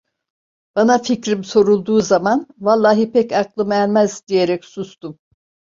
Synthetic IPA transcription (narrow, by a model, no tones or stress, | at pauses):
b̥anaficɾimso̞ɾulˠd̪uːzamanvalˠːaːɦipɛcaklˠɯmælʲmæzd̪ije̞ɾɛcsust̪um